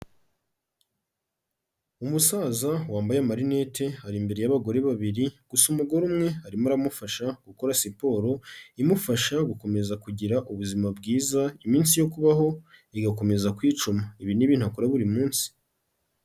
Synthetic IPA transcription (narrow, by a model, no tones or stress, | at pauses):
umusazawaːmbajamaɾine̞te̞haɾimbe̞ɾe̞jaβaɡo̞ɾe̞βaβiɾiɡ̥usumuɡo̞ɾumŋe̞aɾimuɾamufaʃaɡ̥ukoɾasipo̞ɾo̞imufaʃaɡuko̞me̞zakuɟiɾaʔuβuzimabɡiːzaimiːnsijo̞kuβaɦo̞iɡako̞me̞zakwiːt͡ʃumaiβiniβiːn̥uakuɾaβuɾimuːnsi̥